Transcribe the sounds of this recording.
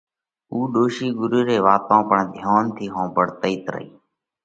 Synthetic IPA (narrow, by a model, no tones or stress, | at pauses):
uːɗoːʃiːɡʊɾuːɾeːʋaːt̪ãːpəɳd̪ʱjaːnt̪ʰiːɦõːbəɽt̪əiːt̪ɾə̰iː